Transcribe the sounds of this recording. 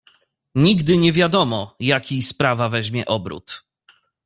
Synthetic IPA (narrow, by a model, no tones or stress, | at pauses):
ɲiɡd̪ɘɲɛvʲjad̪ɔmɔjakʲijspɾavavɛʑmʲjɛ̰ʔɔbɾṵt̪